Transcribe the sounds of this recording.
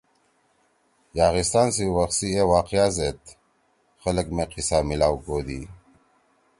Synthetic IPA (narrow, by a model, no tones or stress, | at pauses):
jaːɣist̪aːnsiwɐxsiewaːqijaːzet̪ | xɐləkmeqisaːmilaːwɡoːd̪ḭː